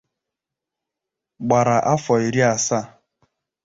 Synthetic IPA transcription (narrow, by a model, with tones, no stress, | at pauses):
ɡ͡ba˨ɾa˨ʔa˦fɔ˨i˨ɾi˦a˨sa˦˨